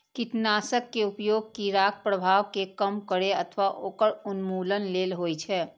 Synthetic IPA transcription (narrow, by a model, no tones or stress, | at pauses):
kɪt̪naːsəkːeʊpjoːɡ̚kiɾaːkpɾəbʱaːʋkekəmkəɽeət̪ʰʋaʔoːkəɽʊnmuːlənleːlɦoːit͡ʃʰɛː